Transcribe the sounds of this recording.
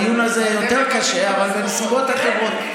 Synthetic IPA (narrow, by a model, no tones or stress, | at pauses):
junazejot̪eʁkaʃe̞avalbenesuɡo̞t̪atevo̞t̪